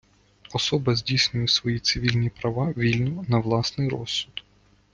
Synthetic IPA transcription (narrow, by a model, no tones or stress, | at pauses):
ɔsɔbɐzʲdʲijsʲnʲʊjɪsʋɔjit̪sɪʋʲilʲnʲipɾɐʋɑʋʲilʲnʊnɐʋlˠɑsnɪjɾɔ̰sːʊd̪